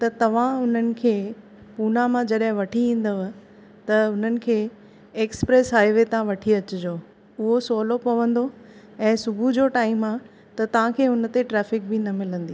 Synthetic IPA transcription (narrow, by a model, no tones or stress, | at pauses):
t̪ɐt̪ɐʋ̤ãʊn̤ənɪ̆kʰeː | puːnamãd͡ʑɐɗɦɪ̃ʋɐʈʰiĩːn̆d̪əʋ | t̪ɐʊn̤ənɪ̆kʰeː | eːkspɾeːsɦaːɪʋet̪ɐãʋɐʈʰiɐt͡ɕʊd͡ʑoː | ʊɦosoːlopɐʋə̃nd̪o | ɛ̃ːsʊbʱud͡ʑoʈaːɪmaː | t̪ɐt̪ɐʋ̤ãkʰeːʊn̆t̪eʈɾɛːfɪk̚bɪnɐmɪlə̃nd̪iː